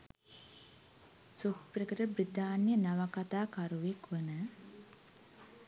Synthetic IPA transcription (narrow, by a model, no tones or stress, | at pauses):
sukpɾəkəɾəbɾit̪aːnjənaʋakat̪aːkaɾuʋekʋənə